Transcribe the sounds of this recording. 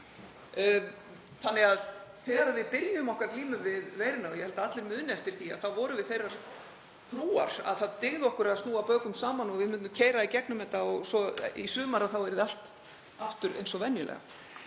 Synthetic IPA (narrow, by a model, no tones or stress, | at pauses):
θanːɪɣaðθɛɾaɾaðvɪðpɪɾjʏmɔhkvaɾt̪liːmʏvɪðveːjɾɪnaɔjɛhɛlt̪aat̪lɪɾmʏðnɪɛft̪ɪɾ̥θia̰ðθavɔɾʏvɪðθejraɾ̥ | t̪ʰɾuːa̰ɾ̥a̰ðθaðt̪ɪɣðʏɔhkʏɾaðst̪nuːapœːɥkʏmsaːmanɔɣvɪðmʏnːʏmcʰeːjɾaicɛknʏmɛt̪aɔɣsɔḭsʏːmaɾaθawɛɾðɪal̥t̪ | aft̪ʏɾʔḛjnsɔvɛnjʏlɛ̰ɣa̰